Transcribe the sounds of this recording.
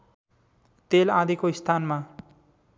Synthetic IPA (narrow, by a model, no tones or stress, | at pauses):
t̪elãd̪ikoist̪ʰanma